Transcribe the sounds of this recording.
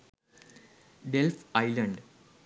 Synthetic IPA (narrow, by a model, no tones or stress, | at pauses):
ɖelfɐjlɐɳɖ